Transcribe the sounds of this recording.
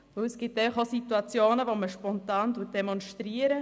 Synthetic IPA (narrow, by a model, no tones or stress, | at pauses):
ʋɵwɛsɡ̥iptɛɪfəχosituɑt͡sjoːnəʋoməʃpɔntɑːntuːt̚d̥ɛmɔnʃtɾiəɾə